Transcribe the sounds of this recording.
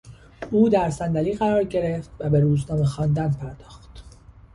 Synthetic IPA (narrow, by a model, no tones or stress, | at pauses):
uːd̪æɾsænd̪æliːɣæɾɒːɾɟe̞ɾeft̪væbe̞ɾuːznɒːmexɒːnd̪ænpʰæɾd̪ɒːxt̪